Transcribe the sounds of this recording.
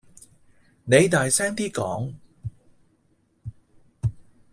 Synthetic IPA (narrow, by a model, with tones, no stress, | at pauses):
ne˨˧jt̪aː˨jsɛː˥ŋt̪iː˥kɔ̰ː˨˥ŋ